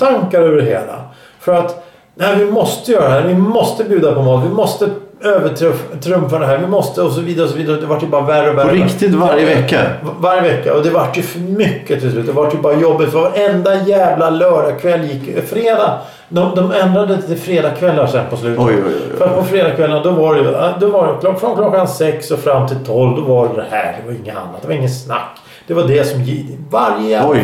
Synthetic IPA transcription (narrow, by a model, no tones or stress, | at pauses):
t̪ʰaŋkaɾøvəɖɛɦḛːla̰ | fœɾat̪ | næɪvɪmɔst̪əjœːɾadɛɦæːɾvɪmɔst̪əbjʉːd̪apɔmɔːt̪vɪmɔst̪əøːvəʈʰɾœfʈʰɾɵmfaɖɛɦæːɾvɪmɔst̪əɔs̬ɔviːd̪aɾəɔs̬ɔviːd̪aɾɔd̪ɛvaʈːjɵbɑːɾaværːəɔvæɔɾɪkt̪ɪt̪vaɾjəvɛkːa̰vaɾjəvɛkːa̰ɔd̪ɛvaʈːjɵfœmʏkːət̪ʰɪlslʉːt̪d̪ɛvaʈjɵbɑːɾajɔbːɪt̪fœɾvaɾɛnd̪ajɛːvlalœːɖakʰvɛlːjɪkːjfɾeːd̪a | d̪ɔd̪ɔmɛnd̪ɾad̪ət̪ɪlfɾeːd̪akʰvɛlːasɛnpɔslʉ̟ːt̪ɔɔ̰fœɾat̪̚pʰɔfɾeːd̪akʰvɛlːənad̪ɔvaɾɛjd̪ɔvakʰlɔfɾɔnkʰlɔkːansɛksɔfɾamːt̪ʰɪlt̪ʰɔlːvd̪ɔvad̪ɛhæ̰ːɖɛvaɾɪŋːəa̰nːat̪̚d̪ɛvaɾɪŋːənsna̰kː | d̪̥ɛvaɖɛsɔmjɪvaɾjəɔj